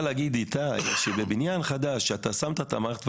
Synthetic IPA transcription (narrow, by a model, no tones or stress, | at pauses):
laɡid̪it̪aʃebebinjanχad̪aʃːeat̪asamt̪at̪a̰maʁt̪v